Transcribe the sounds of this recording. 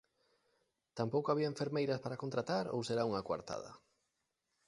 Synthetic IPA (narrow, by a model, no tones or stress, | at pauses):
t̪ampowkoaβ̞iaẽɱfeɾmejɾɐspaɾakont̪ɾat̪aɾo̰wseɾauŋakwa̰ɾt̪a̰ð̞ɐ̰